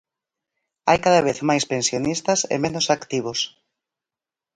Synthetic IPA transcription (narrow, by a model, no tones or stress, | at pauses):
a̰jkaðɐβ̞eθmajspensjonist̪ɐsḛmenosakt̪iβ̞os